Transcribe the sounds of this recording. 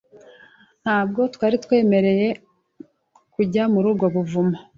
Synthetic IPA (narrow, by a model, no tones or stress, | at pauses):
n̥haːb̚ɡo̞twaːɾitwe̞ːme̞ɾe̞je̞ | kuɟamuɾuːbɡo̞βuvuma